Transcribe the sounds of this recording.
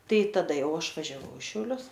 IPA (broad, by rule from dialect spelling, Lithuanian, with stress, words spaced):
ˈtɐɪ tɐˈdɐ ˈjɛʊ ˈɐʃ ʋɐʒʲɛˈʋɐʊ ɪ ʃʲɛʊˈlʲʊs